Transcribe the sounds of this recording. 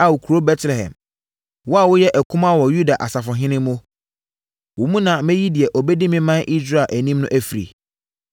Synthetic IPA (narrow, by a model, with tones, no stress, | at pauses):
a˨wʊ˨kʰu˨ɾo˦bɛ˦tlɛ˨hɛ̰̃˨m | wɔ˦a˦˨wʊ˦jɛ˦ʔæ˨kʰʊ̃˦ma˦wɔ˨ju˦da˨ʔa̰˨sa˨fɔ˨ɦɪ̃˦nɪ̃˦mmʊ̃˦ | wʊ˨mũ˦nã˨mɛ̃˦ji˦dɪ˨ɛ˨ʔɔ˨bɛ˦di˦mɪ̃˦mã˦nʔi˦sɾa˦˨ʔæ˨nĩ˦mnʊ̃˦ʔæ˦fi˨ɾḭ˨